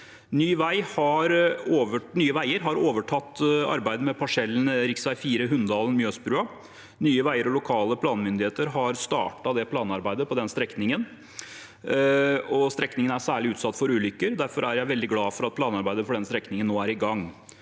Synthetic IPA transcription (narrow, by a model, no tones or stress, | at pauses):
nyːʋæɪhɑɾoːʋənyːəʋæɪəɾɦɑɾoːʋəʈʰɑt̪ːɑ̰ɾbæɪd̪əmɛpʰɑʂɛlːn̩ɾɪksʋæɪfiːɾəɦʉnd̪ɑːlənmjøːsbɾʉːɑ | nyːəʋæɪəɾɔlʊkʰɑːləpʰlɑːnmʏnd̪ɪheːt̪əɾɦɑɾst̪ɑ̰ːʈɑd̪ɛpʰlɑːnɑɾbæɪd̪əpʰɔd̪ɛnst̪ɾɛknɪŋən | ɔst̪ɾɛknɪŋənæʂæːɭɪʉːt̪sɑt̪ːfɔɾʉːlʏkːəɾd̪æɾfɔɾæɾjæɪʋɛld̪ɪɡlɑːfɔɾɑt̪̚pʰlɑːnɑɾbæɪd̪əfɔɖɛnst̪ɾɛknɪŋənːoːæɾɪɡɑŋː